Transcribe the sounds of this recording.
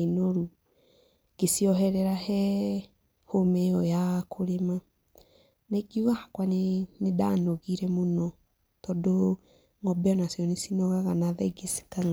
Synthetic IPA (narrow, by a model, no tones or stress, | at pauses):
enoɾu | ɡ̥esiɔɦɛɾɛɾahɛ | homeɔjakʰoɾema | naiɡiuɣahakwanenedaːnoɣiɾɛmonɔ | tɔdo | ŋɔbɛɔnasjɔnesinɔɣaɣanaðɛiɡesi̥kaŋa